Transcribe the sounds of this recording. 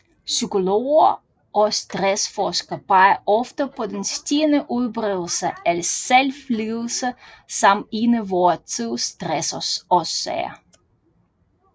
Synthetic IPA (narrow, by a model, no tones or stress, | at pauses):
sykoloːɐ | ʔɔst̪ʁɛsfɔskɐpʰɑɪɐʔɔfd̥əpʰɔd̪enstinəʔuðˠbɾeðˠl̩səɛlselfliðˠl̩səsɑminəʋoɐt͡sʰiðˠstʁɛsɔsɔsḛɐ̰